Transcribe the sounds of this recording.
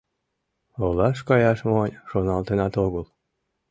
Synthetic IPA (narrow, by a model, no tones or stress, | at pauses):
olɑʃkɑjɑʃmonʲʃonɑlˠt̪enɑt̪oɡolˠ